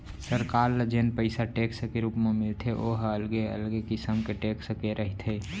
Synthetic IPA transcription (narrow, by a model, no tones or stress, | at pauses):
səɾkaːɾləd͡ʒeːnpəɪsaʈeːksəkeɾuːpmemɪlt̪ʰeʔoːɦəlɡeə̰lɡekɪsəmkeʈeːkʰsəkeɾʔəɦit̪ʰeː